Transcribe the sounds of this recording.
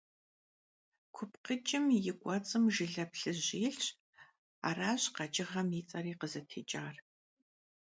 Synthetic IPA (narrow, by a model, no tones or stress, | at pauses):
kʷʰʊpqət͡ʃʼɪmjɪɡʷʼɔt͡sʼɨmʒɪɮɐpɬɨʑeːɬɕ | a̰ːraːɕqɑt͡ʃʼɪʁɐmiːt͡sʼɐriːqəzɐtʰeːt͡ʃʼaːr